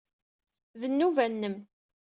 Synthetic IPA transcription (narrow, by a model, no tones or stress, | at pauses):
ðənːuvænːəm